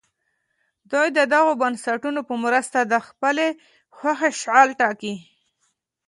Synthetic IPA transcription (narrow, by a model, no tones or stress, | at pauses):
d̪ujd̪əd̪aɣobansaʈunopəmɾəst̪ad̪əxpəle | xwaxeʃʕɑlʈɑki